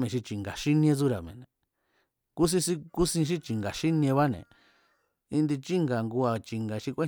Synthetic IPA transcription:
mẽ˨ʃi˧t͡ʃi˨ŋɡa˨ʃi˦nĩ˧ẽ˧t͡su˦ɾa˨mḛ̃˨nẽ˨ | ku˦s̬ĩ˧si˦ku˦sĩ˧ʃ̬i˦t͡ʃi˨ŋɡa˨ʃi˦nĩ˧ẽ˧βa˦nḛ̃˨ | i˧nd̪i˧t͡ʃi˦ŋɡa˨ŋɡu˧a˧˨t͡ʃi˨ŋɡa˨˧ʃi˧kʷe˦

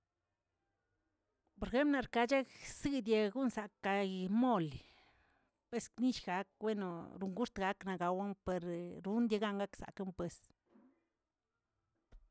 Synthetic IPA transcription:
po˨ɾxe˦mplna˧ɾka˧t͡ʃa˦ksɨ˦d̪je˧ɡu˦nza˨ka˧jmo˦˨l | pe˧˦skni˦ʃɡa˨˦k̚we˦no˨ɾu˧˨ŋɡu˦ʂt̪ɡa˨˧kna˨ɡa˧wa˦npe˨ɾɾu˧˦nd̪je˧ɡa˦˧ŋɡa˦ksa̰˨ka˧˦mpwe˧s

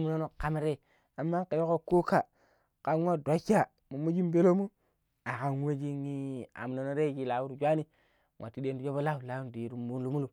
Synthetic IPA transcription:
m˨no˦no˨ka˨mi˦ɾe˦ | a˨mːa˦ke˨jo˦ko˦ko˦ka˦˨ | ka˨n˦wa˦dʷa˨˦ka˦ | mu˨mu˦d͡ʒi˦mbe˦lo˦mu˦ | a˨ka˨nwe˦d͡ʒi˦ŋi˦a̰˨m˨no˨no˦ɾe˦˨ki˨la˨wu˦ɾd͡ʒʷa˦ni˦ | ŋʷwʔa̰˨ti˦de˦ndi˦d͡ʒo˦bo˦la˦u˨la˨˦wu˦n˨di˨ɾu˨mu˦nlu˦mu˦lu˨

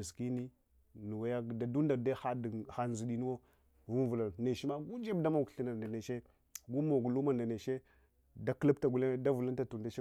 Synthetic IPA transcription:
ski˦ni˦ | nu˨wa˨˦ja˦˨da˨du˦nda˨da˦xa˦dxa˦n˨zu˨di˨˦nu˦wo˦ | vu˦vu˨la˨ne˨ʃi˦ma˦ɡu˦d͡ʒe˦bda˦mo˨kɬi˦na˨da˨ne˨ʃe˦ | ɡu˦mo˨ɡu˨lu˦ma˨nda˨ne˨ʃe˦ | da˦kla˦p̚ta˨ɡu˨le˦da˦vu˨lu˦nta˨tu˨n˨da˨˦e˦

